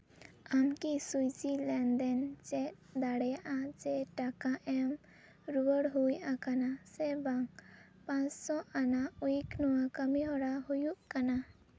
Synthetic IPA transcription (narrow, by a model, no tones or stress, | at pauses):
amkisujd͡ʒilɛnd̪ɛnd͡ʒɛʔ | d̪aɽjaʔad͡ʒɛʈakãʔɛm | ɾuəɽɦujãkanasɛbaŋ | pãt͡ʃsɔʔanaujknɔwakəmiɦɔɽaɦujuʔkana